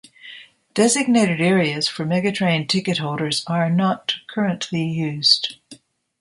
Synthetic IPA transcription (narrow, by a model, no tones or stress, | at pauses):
d̥ɛzɨɡ̚neɪɾɨɾɛɹiɨz̥fə˞mɛɡɨtʰɹ̥ẽɪ̃ntʰɪkɨt̚hoʊlˠɾə˞zə˞nət̚kʰɜ˞ɨ̃nʔʰlijʉz̥d̥